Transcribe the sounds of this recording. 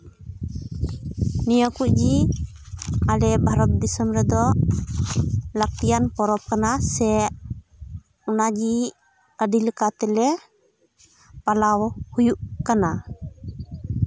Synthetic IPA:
nijəkuʔd͡ʒi | alɛbʱaɾɔt̪̚d̪ɛsəmɾɛd̪ɔ | lək̚t̪ijanpɔɾɔp̚kanasɛʔ | ɔnad͡ʒi | əɖiləkat̪ɛlɛ | palawhujuʔkana

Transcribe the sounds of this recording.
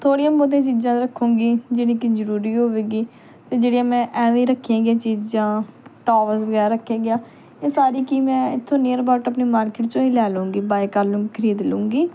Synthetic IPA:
t̪ʰoːɽijãːboːt̪eãt͡ʃiːd͡ʒãːɾəkʰːũːɡiːd͡ʒɪnĩːkɪd͡ʒəɾuːɾiːɦoːʋeːɡiː | t̪eːd͡ʒeːɽijãːmɛ̃ːʔɛːʋĩːɾəkʰːijãːɡɪjãːt͡ʃiːd͡ʒd͡ʒãːʈoːʋəsbəɡɛːɾːəkʰːãːɡɪjaː | eːsaːɾiːkiːmɛ̃ːɪt̪ʰːõːneːəɾbaːʈəpniːmaːɾkɪʈt͡ʃõːĩːlɛːlõːɡiːbaːikəɾlõːkʰəɾiːd̪lũːɡiː

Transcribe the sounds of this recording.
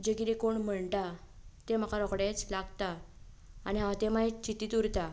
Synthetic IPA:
d͡ʑekiɾekoɳm̤əɳʈat̪em̤akaɾɔkɽet͡slaɡt̪aː | niɦãʋat̪emait͡ɕit̪iːt̪uɾt̪a

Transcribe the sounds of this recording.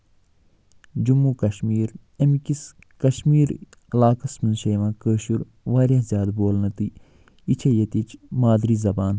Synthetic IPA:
d͡ʒumːukɐʃmiːɾɐmikis | kɐʃmiːɾ | laːkɐsminʃeːʋãːkəːʃuɾ | ʋaːɾʲɐzʲjaːd̪boːlnɐt̪i | it͡ʃʰejɐt̪it͡ʃmaːd̪ɾizɐbaːn

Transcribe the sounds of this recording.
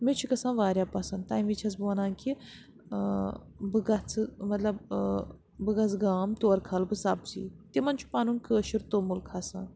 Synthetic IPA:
met͡ʃʰikɐsãːʋaːɾjapɐsɐnd̪t̪aːjmʋit͡ʃʰɐt͡sboːnãːnki | bɨɡɐt͡sɨmɐt̪lɐb | bɨɡɐt͡sɡaːmt̪oːɾkʰalbɨsaːpsḭːt̪imɐnt͡ʃʰu̥paːnunkəːʃiɾt̪oːmulkʰasã̰ː

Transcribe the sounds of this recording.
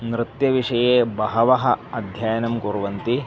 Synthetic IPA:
nɾɪt̪jɐʋiʂɐjeːbɐɦɐʋɐɦɐ̆ɐd̪ʱjaːjɐnɐmkuːɾuʋɐnt̪i

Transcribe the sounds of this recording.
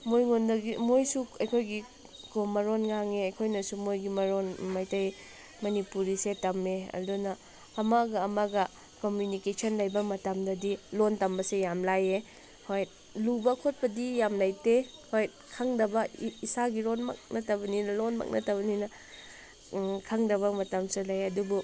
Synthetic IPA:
mojŋondɐɡimojsuɐjkʰojɡi | komɐɾonŋaŋeɐjkʰojnɐsumojɡimɐɾonmajtɐj | mɐnipuɾisetɐmeɐ̰dunɐː | maɡɐːmaɡɐ | komjunikesʰɐnlajbɐmɐtamdɐdilontɐmbɐsejamlaje | hojt̚ | lubɐkʰot̚pɐdijamlajtehojt̚kʰaŋdɐbɐisaɡiɾonma̰k̚nɐtɐbɐninɐlonma̰k̚nʔɐtɐbɐninɐ | kʰaŋdɐβɐmɐtɐmselɐjɐdubu

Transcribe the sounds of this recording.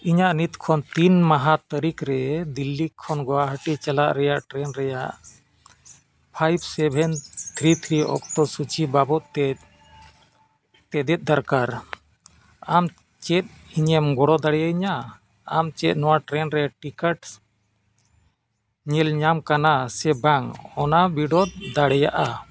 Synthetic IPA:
iɲaʔnit̪kʰɔnt̪inmaɦat̪əɾikɾɛd̪ilːikʰːɔnɡɔwaɦəʈit͡ʃalaʔɾɛjaʔʈɾɛnɾɛjaʔ | pʰajbsɛbʱɛnt̪ʰɾit̪ʰɾiʔɔ̰kʈɔsut͡ʃibabɔt̪̚t̪ɛ | t̪ɛd̪ɛt̪̚ˀd̪aɾkaɾ | am | t͡ʃɛt̪̚iɲɛmɡɔɽɔd̪aɽɛjaiɲaː | mt͡ʃɛt̪̚ˀnɔwaʈɾɛnɾɛjaʈikaʈ | ɲɛlɲamkanasɛbaŋɔnabiɖɔd̪̚d̪aɽɛjaʔa

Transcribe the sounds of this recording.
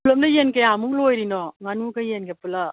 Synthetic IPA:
lɐmdɐjenkejamuklojɾinoŋanuɡɐjenɡepulɐ

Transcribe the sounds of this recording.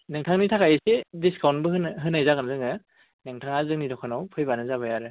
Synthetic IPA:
nɯŋtʰaŋnitʰakʰajɯsediskʰawnbɯɦɯnɦɯnhajzaɡɯnzɯŋɯ | nɯŋtʰaŋazɯŋnidɔkʰanawpʰɯjbanɯzabajaɾɯ

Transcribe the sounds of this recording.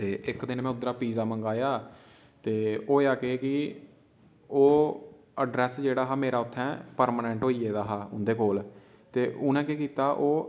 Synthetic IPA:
t̪eːʔɪkd̪ɪnmɛ̃ːʊd̪ɾaːpiːzaːmə̃ŋɡaːjaː | t̪eːoːjaːkeːkɪ | oː | əɖɾɛːsd͡ʒeːɽaːɦaːmeːɾaːʊt̪ʰːɛ̃ːpəɾmaːnɛ̃ːɳʈɦoːiːeːd̪aːɦaːʊ̰nd̪eːkoːl | t̪eːʊnɛ̃ːkekiːt̪aːʔoː

